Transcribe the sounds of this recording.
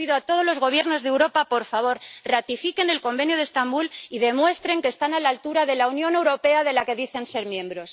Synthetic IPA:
iðoat̪o̞ðo̞zlo̞zɣo̞β̞je̞ɾno̞zðewɾo̞papo̞ɾfaβ̞o̞ɾrat̪ifike̞nelko̞mbe̞njoðe̞st̪ambuliðe̞mwe̞st̪ɾe̞ŋke̞st̪analalt̪uɾaðe̞launjõ̞ne̞wɾo̞pe̞aðe̞lake̞ðiθe̞nse̞ɾmjẽ̞mbɾo̞s

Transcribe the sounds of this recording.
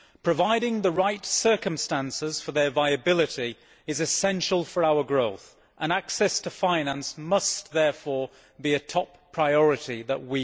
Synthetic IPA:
pʰɹ̥ɨvaɪɾɪ̃ŋðəɹaɪtsɜ˞kə̃mstæ̃nsɪz̥fə˞ðə˞vaɪɨbɪlˠɨɾi | ɨzɨsɛ̃nʃəl̩ˠfə˞aʊə˞ɡɹoʊθ | ʔə̃naksɛstʰəfãɪ̃næ̃nsmʌsðɛɹfɔɹ | biɨtʰɒpʰɹ̥aɪɔɹɨɾiðə̰ʔ̚wi

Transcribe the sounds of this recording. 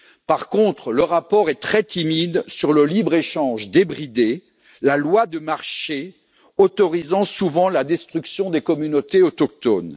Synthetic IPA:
paʁkɔ̃t̪χləʁapɔʁɛt̪χɛt̪imid̪syʁləlibʁeʃɑ̃ʒd̪ebʁid̪e | lalwad̪əmaʁʃe | ot̪ɔʁizɑ̃suvɑ̃lad̪ɛst̪χyksjɔ̃d̪ekɔmynot̪eɔt̪ɔk̚t̪ɔn

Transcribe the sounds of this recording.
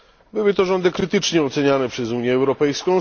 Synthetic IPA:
bɘwɘt̪ɔʐɔnd̪ɘkɾɘt̪ɘt͡ʂɲɛɔt̪sɛɲanɛpʂɛzuɲjɛːwɾɔpɛjskɔ̃w̃

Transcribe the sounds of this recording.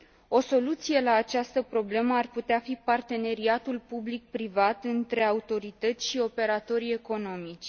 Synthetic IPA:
o̞so̞lut̪sije̞laːt͡ʃast̪əpɾo̞ble̞məarput̪eafipart̪e̞ne̞ɾiat̪ulpublik̚pɾivat̪ɨnt̪ɾe̞aut̪o̞ɾit̪ət̪sʲʃio̞pe̞ɾat̪o̞ɾe̞ko̞no̞mit͡ʃʲ

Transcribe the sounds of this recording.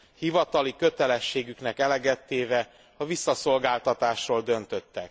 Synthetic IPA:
hivɒt̪ɒlikø̞t̪ɛlɛʃːeːɡyknɛkɛlɛɡɛt̪ːeːvɛ | ɒvisːɒso̞lɡaːlt̪ɒt̪aːʃroːld̪ø̞nt̪ø̞t̪ːɛk̚

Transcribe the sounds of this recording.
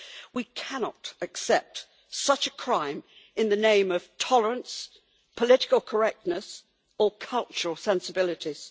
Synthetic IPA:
wikʰænɑɾɨksɛp̚t | sʌt͡ʃɨkʰɹ̥ãɪ̃m | ɨ̃nðɨnẽɪ̃mʌv̥tʰɒlˠəɹə̃ns | pʰəlɪɾɪ̥kəl̩ˠkʰə˞ɛk̚tⁿnəs | əkʰʌlˠt͡ʃəɹəl̩ˠsɛ̃nsəbɪlˠɨɾiz̥

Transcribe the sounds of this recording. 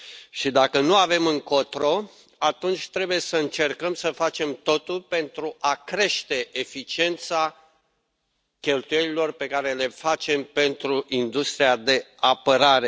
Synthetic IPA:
ʃid̪akənuave̞mɨŋkot̪ɾo̞ | at̪unt͡ʃʲt̪ɾe̞buje̞səɨnt͡ʃe̞rkəmsəfat͡ʃe̞mt̪o̞t̪ulpe̞nt̪ɾuʔakɾe̞ʃt̪e̞ʔefit͡ʃie̞nt̪sa | kʲe̞lt̪uje̞lilo̞rpe̞kaɾe̞le̞fat͡ʃe̞mpe̞nt̪ɾuʔind̪ust̪ɾiad̪e̞apəɾaɾe̞

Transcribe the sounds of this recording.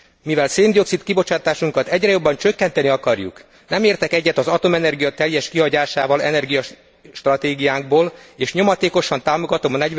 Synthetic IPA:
mivɛlseːnd̪io̞ksit̪kibo̞t͡ʃaːt̪aːʃuŋkɒt̪ɛɟrɛjo̞bːɒnt͡ʃø̞kːɛnt̪ɛniɒkɒrjṵk | nɛmeːrt̪ɛkɛɟːɛt̪ɒzɒt̪o̞mɛnɛrɡijɒt̪ɛljɛʃkiɦɒɟaːʃaːvɒlɛ̰nɛrɡijɒ | ʃt̪rɒt̪eːɡijaːŋɡ̚boːleːʃɲo̞mɒt̪eːko̞ʃɒnt̪aːmo̞ɡɒt̪o̞mɒnɛɟ

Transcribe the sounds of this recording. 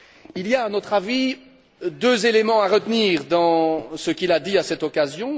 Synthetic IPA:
iliaɛ̃not̪χavi | d̪øzelemɑ̃aʁət̪niːʁd̪ɑ̃səkʲilad̪iasɛt̪ɔkazjɔ̃

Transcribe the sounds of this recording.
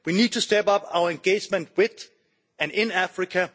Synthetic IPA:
winid̚tʰɨstɛpʌpa̰ʊə˞ɨ̃nɡeɪd͡ʒmɨ̃nt̚wɪð | ɨ̃nɪ̃næfɹɨkʰɨ

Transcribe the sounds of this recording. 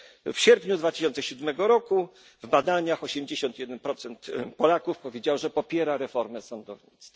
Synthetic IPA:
fɕɛɾpɲud̪vat̪ɘ̥ɕɔnt̪sɛɕud̪mɛɡɔɾɔku | vbad̪aɲaxɔɕɛmd͡ʑeɕɔnt̪jɛd̪ɛnpɾɔt̪sɛnt̪pɔlakufpɔvʲjed͡ʑawʐɛpɔpʲjɛɾaɾɛfɔɾmɛsɔnd̪ɔvɲit̪st̪fḁ

